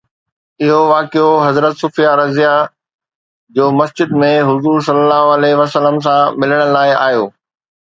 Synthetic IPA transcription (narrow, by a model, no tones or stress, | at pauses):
ɪɦoʋaːkijoɦɐzɾət̪sʊfijaɾɐzija | d͡ʑoːmɐsd͡ʑɪd̪mẽɦʊzuːɾsɐlːəlaːɦoɐleʋɐsələms̬ãmɪləɽ̃əlaːɪaːjoː